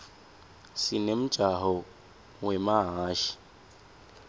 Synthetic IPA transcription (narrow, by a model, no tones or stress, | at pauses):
sinem̩t͡ʃʼaɦɔ | wɛmaɦaːʃi̥